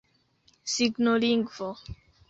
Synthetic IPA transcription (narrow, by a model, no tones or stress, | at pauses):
siɡnoliŋɡfɔ